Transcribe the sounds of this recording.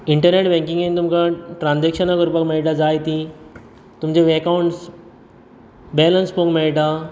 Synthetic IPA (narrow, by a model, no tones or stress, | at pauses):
iɳʈəɾneʈbɛ̃ŋkĩŋɡent̪umkaʈɾãnd͡zekʂənakuɾpəkmeɭʈad͡zajt̪i | t̪umd͡ʑeʋekauɳʈs | bɛlənspõkmeɭʈa